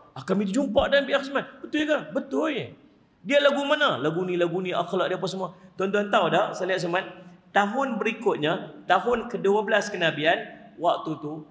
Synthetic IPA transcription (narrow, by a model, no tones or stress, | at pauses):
akamit̪ud͡ʒumpaʔdanbiʔaxismanbət̪ʊljekabət̪ʊlje | dialaɡumanalaɡunĩlaɡunĩʔaklaʔdiap̬asəmuat̪ɔnd̪uant̪awdasaliaʔ̪s̬əman̚t̪aɦʊnbəɾikʊt̪̚ɲat̪aɦʊnkəduəbəlaskənabianwak̚t̪ut̪u